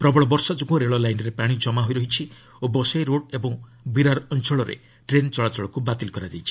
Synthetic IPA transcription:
pɾɔbɔɭɔbɔɾsad͡ʒukõɾeɭɔlajnɾepaɽ̃id͡ʒɔmaɦojɾɔɦit͡ʃʰi | obɔsajɾoɽebɔŋ | biɾaɾɔnt͡ʃʰɔɭɔɾḛ | ʈɾent͡ʃɔɭat͡ʃɔɭɔkubat̪ilkɔɾad͡ʒajt͡ʃʰi̥

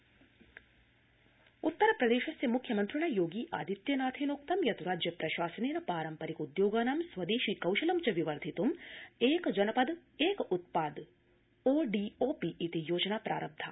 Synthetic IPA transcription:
ut̪ːɐɾɐpɾɐd̪eːʃɐsjɐmukʰjɐmɐnt̪ɾɪɳɐjoːɡiːʔaːd̪it̪jɐnaːt̪ʰeːnoːkt̪ɐmjɐt̪uɾaːd͡ʒjɐpɾɐʃaːsɐneːnɐpaːɾɐmpɐɾikud̪joːɡaːnaːmsʋɐd̪eːʃiːkɐwʃɐlɐmt͡ʃɐʋiʋɐɾd̪ʱit̪umeːkd͡ʒɐnɐpɐd̪eːkut̪̚paːd̪ | oːɖiːoːpiʔːt̪ijoːd͡ʒɐnaːpɾa̰ːɾɐb̚d̪ʱaː

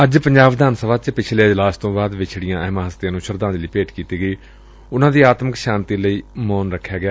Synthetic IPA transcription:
əd͡ʒpəɲd͡ʒaːʋd̪aːnsəʋaːt͡ʃpɪt͡ʃʰleːd͡ʒlaːst̪õːbaːd̪ʋɪt͡ʃʰɽɪjãːʔɛːmaːɦəst̪ɪjãːnũːʃəɾd̪ãːd̪eliːpeːʈkiːt̪iːɡəiː | ʊnãːd̪iːaːt̪məkʃaːnt̪iːləiːmɔːnɾəkʰːjaːɡɪjaː

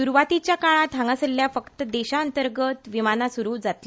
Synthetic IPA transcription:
suɾuʋat̪it͡ɕjakaɭ̃ãt̪ʰãŋɡasəlːjafəkt̪əd̪eɕaənt̪əɾɡət̪ʋimanasuɾuːd͡zat̪li

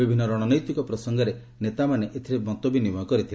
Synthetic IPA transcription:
ibʱinːɔɾɔɽ̃ɔnɔjt̪wikɔpɾɔsɔŋɡɔɾe | net̪amaneʔet̪ʰiɾemɔnt̪obinibɔkɔɾit̪ʰil

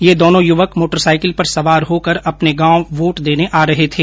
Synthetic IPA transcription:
jeːd̪oːnõjʊʋəkmoːʈəɾsaːɪkɪlpɐɾsɐʋaːɾɦoːkəɾɐpneɡãːõʋoːʈd̪eːneʔaːɾɐɦet̪ʰeː

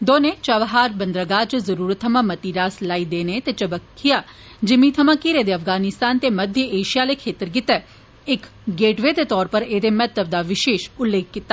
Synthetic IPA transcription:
d̪oːnet͡ʃɐʋɦaːɾbɐnd̪ɾəɡaːd͡ʒəzɐɾuːɾət̪ʰːɐmãmɐt̪iːɾaːslaːid̪eːnet̪et͡ʃɐbəkʰːija | d͡ʒɪmit̪ʰɐmãkiɾeːd̪eɐfɡaːnɪst̪aːnt̪emɐd̪ʱjəeːʃijalekʰeːt̪əɾɡɪt̪ɛ | ɪk | ɡeːʈʋed̪et̪ɔːɾpɐɾeːd̪emɛt̪əb̚d̪aʋɪʃeːʃʊlːeːk̚ʰːɪt̪ːaː

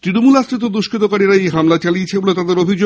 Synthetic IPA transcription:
t̪ɾinomulasɾit̪̬od̪uʃkʰit̪okaɾiɾaejɦamlat͡ɕaliet͡ɕʰebolet̪ad̪eɾobʱid͡ʑo

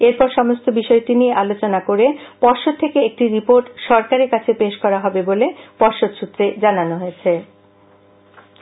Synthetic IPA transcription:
eɾpɔɾʃɔmost̪ʰobiʃɔeʈinieʔalot͡ɕonakoɾepɔɾʃod̪̚t̪ʰːekeek̚ʈiɾipoɾʈʃɔɾkaɾeɾkat͡ɕʰepeʃkɔɾaɦɔbebolepɔɾʃod̪ʃut̪ːɾed͡ʑananoɦoet͡ɕʰe

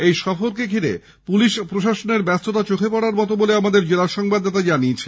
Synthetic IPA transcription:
ejʃɔfoɾkekʰiɾḛ | puliʃpɾoʃaʃoneɾbɛst̪ʰot̪at͡ɕokʰepɔɽaɾmɔt̪oboleamad̪eɾd͡ʑelaʃɔŋbad̪ːat̪ad͡ʑaniet͡ɕʰe

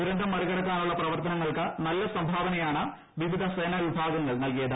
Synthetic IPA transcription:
uɾɐɳɖʱɐmːɐɾiɣɐɽɐkːaːnuɭːɐprɐʋɐrt̪ɐnɐŋːɐɭkɨnɐlːɐsɐmbʱaːʋɐnɐjaːɳɨ | ʋiʋid̪ʱɐseːnɐʋibʱaːɡɐŋːɐɭnɐlkijɐðɨ

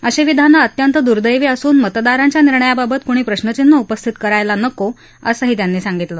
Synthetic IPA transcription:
əɕeʋid̪ʱanːaət̪jənt̪əd̪uɾd̪əjʋiːəsuːnmət̪d̪aɾaɲt͡ɕjaniɾɳəjababət̪kuɽ̃iːpɾəɕnət͡ɕinːəupəst̪ʰit̪kəɾajlanəko | əsəɦiːt̪janːiːsaŋɡit̪lə

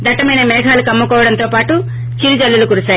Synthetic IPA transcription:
d̪ɐʈːɐmɐjnɐmɛːɡʰʱaːlukɐmːɐkɔːʋɐɽɐnt̪o̞ːpaːʈu | t͡ʃiɾid͡ʒɐlːulukuɽusaː

